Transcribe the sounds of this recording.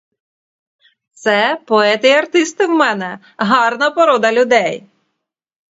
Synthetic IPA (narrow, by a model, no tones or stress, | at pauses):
t̪sɛpɔɛt̪ɪjɐrt̪ɪst̪ɪwmɛnɛ | ɦɑrnɐpɔɾɔd̪ɐlʲʊd̪ɛj